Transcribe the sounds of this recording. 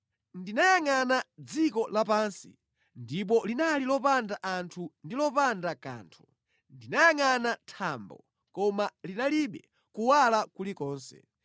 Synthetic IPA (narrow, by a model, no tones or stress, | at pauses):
ndinajaŋanad͡zikɔlapaːnsḭ | ndip̬ɔlinalilɔpandaʔantʰundilɔpandaka̰ːntʰu̥ | ndinajaŋanatʰambɔ̰ | kɔmalinaliɓɛ | kuwalakulikɔːnsɛ̰